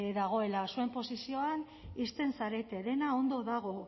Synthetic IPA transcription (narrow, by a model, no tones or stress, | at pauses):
ðaɣ̞o̞e̞lasue̞mpo̞sisio̞an | ist̪e̞nsaɾe̞t̪e̞ðe̞nao̞nd̪o̞ðaɣ̞o̞